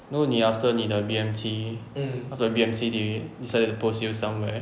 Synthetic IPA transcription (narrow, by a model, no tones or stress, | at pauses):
noniaftənidəbiɛ̃mtʰi | aftəbiɛ̃msididisaɪdətuposjusãmwɛ